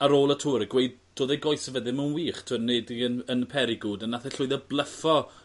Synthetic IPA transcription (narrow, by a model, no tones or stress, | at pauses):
aɾoːlˠətʰuːɾəɡwejd̚d̥oːðejɡɔjsəvəðɪməwnwiːχtʰuːneːdiənənpʰɛɾiɡuːdanːaθɛɬʊɨðɛblˠəfɔ